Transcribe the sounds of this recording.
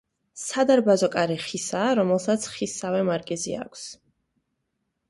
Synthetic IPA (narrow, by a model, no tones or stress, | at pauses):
sad̪aɾbazɔkʼaɾiχisaːɾɔmɛlˠsat̪sʰχisavɛmaɾɡʼɛzḭa̰kʷʰs